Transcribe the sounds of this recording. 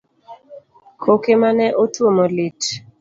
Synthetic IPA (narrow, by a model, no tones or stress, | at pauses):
kʰokemanɛʔotwomolɪt